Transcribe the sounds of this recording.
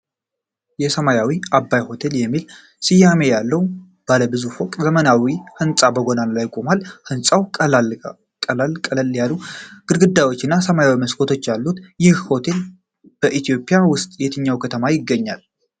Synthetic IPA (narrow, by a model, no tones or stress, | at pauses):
jɛsəmajawiabːajho̞t̪ʰe̞ljɛmːil | sɨjːame̞jalːəw | b̥aləbɨzufo̞kʼzəmənawihɨnsʼabəɡo̞nanlajkʼomalhɨnsʼawʼ | kʼəlalkʼələljaluɡ̥ɨɾɡɨd̪ːajwo̞t͡ʃːɪnːasəmajawiməskʰot̪ʰo̞t͡ʃːjalːut̪jɪhho̞t̪ʰe̞l | b̥əʔit̪ijo̞pʼɪjawʊst̪ʼjɛt̪ʰɨɲːawkʰət̪ʰəmajɪɡːəɲːal